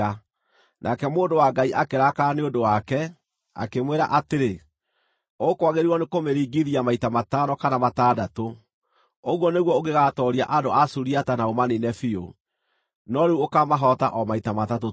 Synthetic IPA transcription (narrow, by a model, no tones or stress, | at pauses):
a | nʔakɛmoːndowaɡaiʔakeɾakaneodowakɛ | a̰kemweɾaʔateɾe | okwaɣeɾiwɔnekomeɾiːɡiðiamaitamatanɔkanamataːdato | oɣwɔneɣwɔoɣeɣatɔɾia̰ʔadoʔasuɾiatanaomaninɛfio̰ | nɔɾeuokamaɦɔta̰ʔɔmaitamatato